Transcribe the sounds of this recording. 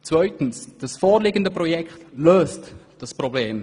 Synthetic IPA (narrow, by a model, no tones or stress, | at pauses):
t͡svœʏtn̩sd̥ɑsfɔːɾlɪɡəndəprɔjɛkχtløːst | d̥ɑsprɔbleːm